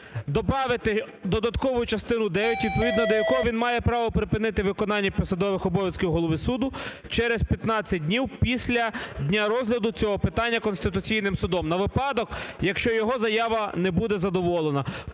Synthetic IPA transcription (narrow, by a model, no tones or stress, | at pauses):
d̪ɔbɾɑʋɪt̪ɪ | d̪ɔd̪ɐt̪kɔʋʊjʊt͡ʃɐst̪ɪnʊd̪ɛʋʲjɛtʲʋʲid̪̚pɔʋʲid̪nɐd̪ɔjɐkɔɦɔʋinmɑjɛpɾɑʋɔpɾɪpɪnɪt̪ɪʋɪkɔnɑnʲːɐpʲɔsɐd̪ɔʋɪxɔbɔʋʲjɐskʲɪwɦɔlˠɔʋʲisud̪ʊ | t͡ʃɛɾɛspʲjɐt̪nɑt͡sʲːɐt̚ʲdʲnʲiwpʲisʲlʲɐd̪ʲnʲaɾɔzɦlʲɐd̪ʊt͡sʲɔɦɔpɪt̪ɑnʲːɐkɔnst̪ɪt̪ʊt͡sʲijnɪmsʊd̪ɔmnɐʋɪpɑd̪ɔkjɐkʃt͡ʃɔjɔɦɔzɐjaʋɐnɛbud̪ɛzɐd̪ɔʋɔlˠenɐ